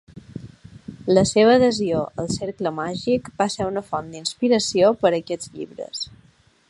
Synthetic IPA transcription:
ləseβəːðəzioʔə̰lˠseɾkləmaʒikbaseɾunəfɔnd̪inspiɾəsiopəɾəkɛd͡zʎḭβɾə̰s

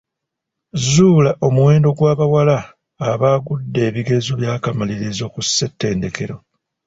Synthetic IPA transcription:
zuːlaʔo̞muwe̞ːndo̞ɡwaːβawalaː | βaːɡudːe̞ːβiɡe̞zoβjaːkamaliɾizo̞kusːe̞tːe̞ːnde̞ke̞ɾo

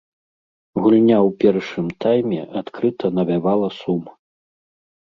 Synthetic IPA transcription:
ɣulʲnʲawpʲɛrʂɨmt̪ajmʲɛ̰ʔat̪kɾɨt̪ʰɐnɐvʲavalˠɐsumɐ

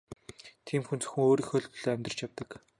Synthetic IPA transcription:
t̪ʰiːmxunt͡sɵ̥xɘ̆ŋoːɾiːxɵɮpɵ̆ɮ̥oːæmʲt̪rə̥̆t͡ɕjawt̪ə̆k

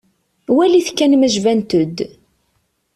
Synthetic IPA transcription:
wæliθkːænməʒvænt̪əd̪

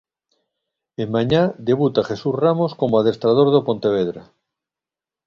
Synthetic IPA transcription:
emmaɲad̪e̞β̞ut̪aχesusramosko̞moað̞est̪ɾað̞oɾðopõnt̪eβ̞eðɾa̰

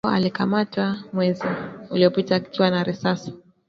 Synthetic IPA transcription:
a̰likamatwamwɛziuliɔpitakiwanaɾisasi̥

